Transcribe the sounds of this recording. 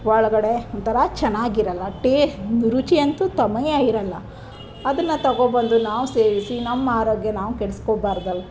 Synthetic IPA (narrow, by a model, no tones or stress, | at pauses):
ʋɐɭɐɡɐɽe̞ɔnt̪ɐɾɐt͡ʃɛnːaːɡiɾɐlːɐʈeːnuɾut͡ʃiɐnt̪ut̪ɐmɐjaiɾɐlːɐ | ɐd̪ɐnːɐt̪ɐɡoːbɐnd̪unaːʋuse̞ːʋisinɐmːɐaːɾoːɡjɐnaːʋukeɭɐskoːbaːɾd̪ɐlːu